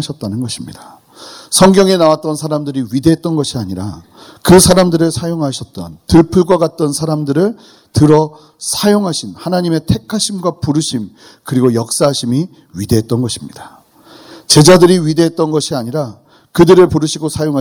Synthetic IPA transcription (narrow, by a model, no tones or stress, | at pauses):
ɕʰʌt̚t͈anɯnɡʌɕʰimɲidḁ | sʰʌŋɡjʌŋe̞nawat̚t͈ʌnsʰaɾamdɯɾiɥide̞ɦet̚t͈ʌnɡʌɕʰiaɲiɾa̰ | kɯsʰaɾamdɯɾɯɭsʰajoŋɦaɕʰʌt̚t͈ʌ̰ntɯɭpʰɯɭɡwakat̚t͈ʌnsʰaɾamdɯɾɯɭ | tɯɾʌ | sʰajoŋɦaɕʰinhanaɲime̞tʰe̞kʰaɕʰimɡwapuɾɯɕʰim | kɯɾiɡojʌk̚s͈aɦaɕʰimi | ɥide̞ɦet̚t͈ʌnɡʌɕʰimɲid̥ḁ | t͡ɕe̞d͡ʑadɯɾiɥide̞ɦet͈̚ʌnɡʌɕʰiaɲiɾa | kɯdɯɾɯɭpuɾɯɕʰiɡosʰajoŋa